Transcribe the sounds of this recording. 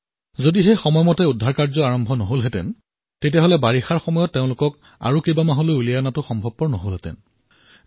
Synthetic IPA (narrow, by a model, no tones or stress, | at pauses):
zodixexɔmɔjmɔtɛudʱːaɹkaɹzɔaɹɔmbʱɔnɔɦolɦɛtɛ̰n | tetijaɦolɛbaɹixaɹxɔmɔjɔtːeʊ̃lʊkɔk | a̰ɹukejbamaɦolojulijanatʊxɔmbʱɔb̚pɔɹnɔɦolɦɛtɛ̰n